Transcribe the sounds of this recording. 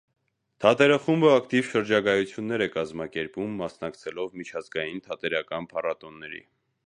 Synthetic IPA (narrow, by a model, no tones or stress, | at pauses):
t̪ʰɑt̪ɛɾəχumbəɑkt̪ivʃəɾd͡ʒɑɡɑjut͡sʰjunːɛɾɛkɑzmɑkɛɾpumːɑsnɑkt͡sʰɛlɔvmit͡ʃʰɑzɡɑjint̪ʰɑt̪ɛɾɑkɑnpʰɑrɑt̪ɔnːɛɾḭ